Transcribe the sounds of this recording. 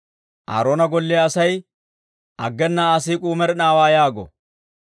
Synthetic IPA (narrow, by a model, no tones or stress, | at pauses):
ʔa̰ːɾoːnɐɡɔlːɛɐsɐj | ʔɐɡːɛnːɐːs̬iːkʼuːmɛɾɛnaːwaːjaːɡɔ̰